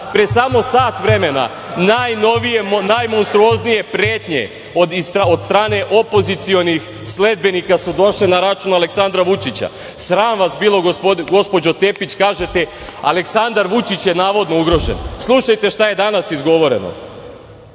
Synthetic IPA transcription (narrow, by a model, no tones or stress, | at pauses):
pɾesamo̞saːt̪ʋɾe̞me̞na̰ | najno̞ʋijenajmonst̪ɾuo̞znije̞pɾeːt̪ɲḛ | od̪so̞d̪st̪ɾaːne̞ʔo̞po̞zit̪sijo̞nix | sle̞d̪̚be̞nikasud̪o̞ʃlinaɾat͡ʃunaleksand̪ɾaʋut͡ʃit͡ɕa̰ | sɾaːnʋasbiːlˠo̞ɡopoɡo̞spo̞d͡ʑo̞t̪e̞pit͡ɕkaːʒe̞t̪e | a̰le̞ksand̪aɾʋut͡ʃit͡ɕjenaːʋo̞d̪no̞uɡɾo̞ʒḛnslˠuʃajt̪e̞ʃt̪aje̞d̪anasizɡo̞ʋo̞ɾe̞̰no̰